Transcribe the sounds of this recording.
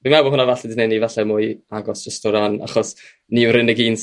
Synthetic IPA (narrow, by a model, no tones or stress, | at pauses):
vimawbɔhʊnavaɬɛdɪnɛnivaɬɛmʊɨaɡɔsʒ̥əstɔɾana̰χɔs | niwɾɪnəɡiːns